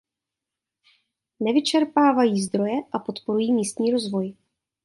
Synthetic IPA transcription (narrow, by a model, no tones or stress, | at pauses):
nɛvɪt͡ʃɛɾpaːvajiːzd̪ɾo̞jɛʔapo̞t̪po̞ɾujiːmiːst̪ɲiːɾo̞zvo̞j